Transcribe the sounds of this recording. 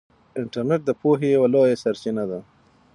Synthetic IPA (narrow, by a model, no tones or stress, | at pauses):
ɪɳʈaɾneʈ̚d̪əpoɦejawalojasaɾt͡ʃɪnad̪a